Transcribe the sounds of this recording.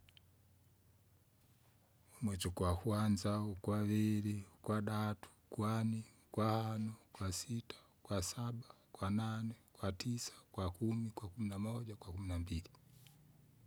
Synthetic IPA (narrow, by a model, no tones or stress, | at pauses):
umwɛt͡ʃɔkwakwand͡ʒaukwavɛlikwaɗatʰu̥kwani | kwahanɔkwasitʰḁ | kwasabakwananɛkwatisḁkwakumikwakuminamɔɟakwakuminambili